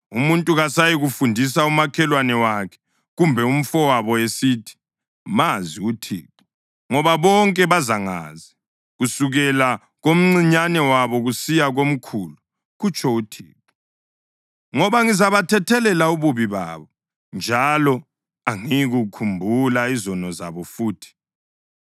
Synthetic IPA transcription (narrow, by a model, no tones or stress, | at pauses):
umuntʼuɣasajiɣufundʱis̬aumakʰɛlwanɛwakʰɛ̥ | ɣumbʱɛum̩fɔwaβɔesiːtʰi̥ | maziutʰḭːpu̥ | ŋɔβaβɔŋkʼɛβazaŋa̰ːzi | ɣusuɣɛla | ɣom̩ŋ͡ǀiɲanɛwaβɔɣusijaɣom̩kʰulu | ɣut͡ʃʰɔutʰḭːpu | ŋɔβaŋizaβatʰɛtʰɛlɛlauβuβiβa̰ːβɔ | nd͡ʒʱalɔ | aŋiɣukʰumbʱulaizɔnɔza̰βɔfuːtʰi̥